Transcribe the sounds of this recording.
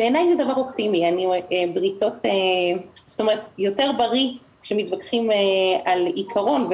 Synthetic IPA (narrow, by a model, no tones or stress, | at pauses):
b̥eːnajzɛdavaʁo̞p̚timianiebʁito̞teso̥t̪ome̞ʁet̪jo̞te̞ʁbaʁi | ʃemitvakχimealikʰaʁo̞nv